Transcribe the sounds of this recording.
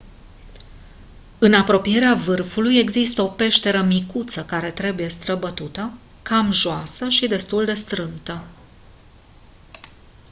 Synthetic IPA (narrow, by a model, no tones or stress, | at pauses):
ɨnapɾo̞pije̞ɾeavɨrfuluje̞ɡzist̪əo̞pe̞ʃt̪e̞ɾəmikut̪səkaɾe̞t̪ɾe̞buje̞st̪ɾəbət̪ut̪ə | kamʒoasəʃid̪e̞st̪uld̪e̞st̪ɾɨnt̪ə